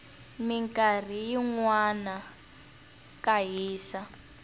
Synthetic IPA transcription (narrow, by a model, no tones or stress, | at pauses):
miŋkʼar̤ijiŋwana | kaɦiːsa